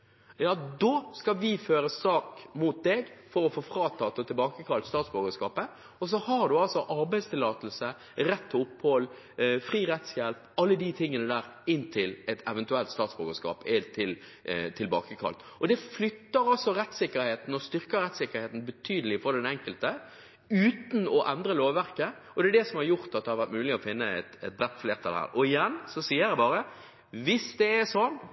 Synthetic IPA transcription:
jɑːd̪oːskɑʋɪføːɾəsɑːkmuːt̪̚d̪ɛɡfɔɾɔfoːfɾɑːt̪ʰɑːt̪ːɔt̪ʰɪlbɑːkəkʰɑlt̪st̪ɑːt̪sboːɡəskɑːpə | ɔs̬ɔhɑɖ̪ʉɑlsɔʔɑɾbæɪst̪ʰɪlɑːt̪əl̩sə | ɾɛt̪ːʊphɔl | fʁiːʁɛt̪sjɛlp | ɑlːəd̪ɪt̪ʰɪŋːənəd̪æːɾɪnt̪ʰɪlɛt̪ɛʋɛnt̪ʉɛlt̪st̪ɑːt̪sboːɡəskɑ̰ːpɛt̪ʰɪl | t̪ʰɪlbɑ̰ːkəkʰɑ̰lt̪ɔd̪ɛflʏt̪ːəɾɑlsɔɾɛt̪sɪkːəɾheːt̪n̩ɔst̪ʏɾkəɾɛt̪sɪkːəɾheːt̪n̩bət̪ʰyːd̪əlɪfɔd̪ɛnɛŋkəlt̪ə | ʉːt̪n̩ɔʔɛnd̪ɾəloːʋʋæʁkə | ɔd̪ɛɛɖ̪ɛsɔmhɑɾjʊɾt̪ɑt̪̚d̪ɛhɑɾʋæɾt̪mʉːlɪɔfɪnːəɛt̪ɛt̪̚b̪ɾɛt̪ːfleːɾt̪ʰɑlɛhæ̰ːɾɔɪjɛnːsɔsiːəɾd̪ɛbɑːɾə | ʋɪsd̪ɛɛsɔn

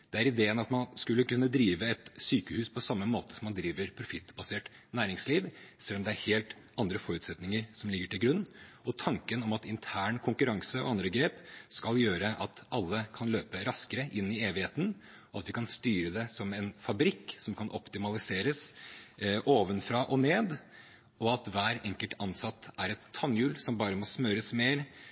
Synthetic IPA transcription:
d̪̥ɛæɾɪd̪eːənɑt̪mɑnskʉlːəkʉnːəd̪ɾiːʋəɛt̪syːkəhʉːspʰɔsɑmːəmoːt̪ə̥sɔmːɑnd̪ɾiːʋəɾpʰɾʊfɪt̪ːbɑseːʈnæːɾɪŋsliːʋsɛlːɔmd̪ɛæɾheːlt̪ɑnd̪ɾəfɔɾʉːt̪sɛt̪nɪŋəɾsɔmlɪɡːəʈʰɪlɡɾʉnːɔt̪ʰɑŋkənɔmɑt̪ɪnt̪ʰæːɳkʰʊŋkʉɾɑŋsəɔ̰ɑnd̪ɾəɡɾeːpskɑljøːɾəʔɑt̪ʔɑlːəkʰɑnløːpəɾɑskəɾəʔɪnːɪeːʋɪheːt̪ən | ɔɑt̪ʋɪkʰɑnst̪yːɾəd̪ɛsɔmɛnfɑbɾɪkːsɔmkʰɑnʔɔpt̪ɪmɑlɪseːɾəs | ʔoːʋənfɾɑʔɔneːd̪ | ɔɑt̪ʋæːɾɛŋkəlt̪ɑnsɑt̪ːæɾɛt̪ʰːɑnjʉːlsɔmbɑːɾəmɔsmœɾəsmeːɾ

